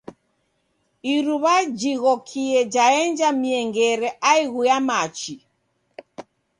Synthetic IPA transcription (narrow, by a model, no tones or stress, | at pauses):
iɾuβad͡ʒiɣɔkʰiɛd͡ʒaɛnd͡ʒamiɛŋɡɛɾɛʔaiɣujamat͡ʃi